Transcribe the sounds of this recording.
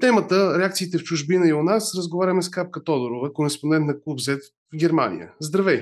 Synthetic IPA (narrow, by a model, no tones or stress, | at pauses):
t̪ɛmət̪əɾɛak̚t̪siːt̪ɛft͡ʃʊʒbinəiʊnasɾəzɡovaɾʲɐmɛskap̚kət̪ɔd̪oɾovəkoɾɛspond̪ɛnt̪nɐklˠubzɛt̪ | vɡʲɛɾma̰nḭjə̰zd̪ɾɐvɛj